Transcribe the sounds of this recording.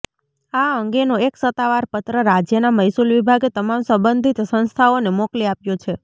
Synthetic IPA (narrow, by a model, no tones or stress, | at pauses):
aəŋɡenoeksət̪ːaʋaɾpət̪ɾəɾad͡ʒjənaməjsulʋibʱaɡet̪əmamsəmbənd̪ʱit̪sə̃nst̪ʰaonemokliapjõt͡ʃʰe